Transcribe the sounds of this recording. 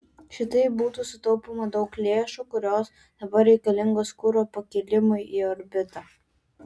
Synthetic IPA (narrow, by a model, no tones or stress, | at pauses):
ʃʲɪt̪ɐɪpbuːt̪uːsʊt̪ɔʊpomɐd̪ɒʊklʲeːʃuːkʊɾʲoːs | d̪̥ɐbɐɾʲɛɪkɐlʲɪŋɡoːskʊɾoːpɐkʲɪlʲɪmʊjiːɔɾʲbʲɪt̪ɐː